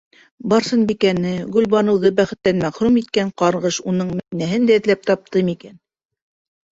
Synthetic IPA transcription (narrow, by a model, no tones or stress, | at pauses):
bɑɾsɤnbikænɘɡɵ̆lbɑnɤ̆wðɤbæχɘ̆t̪lːænmæχɾumit̪̚kæɴqɑɾʁɤʃunɤɴmæt̪inæɦɘnd̪æɘ̆ðlæp̚t̪ɑp̚t̪ɤmikæn